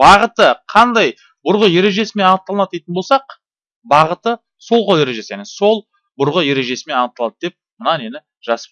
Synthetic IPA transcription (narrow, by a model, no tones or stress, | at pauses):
bɑʁət̪əqʰɑnd̪ɑj | bʊɾʁəje̞ɾe̞ʒe̞sɪme̞nɑnəq̚t̪ɑlˠənɑt̪ːet̪ɪnbolsɑq | bɑʁət̪ə | so̞lˠqʰolˠje̞ɾe̞ʒe̞sɪjæneso̞lˠ | bʊɾʁəje̞ɾe̞ʒe̞sɪme̞nɑnəqt̪ːɑlˠɑd̪əd̪e̞p̚mənɑne̞nɪ | ʒ̥ɑsəp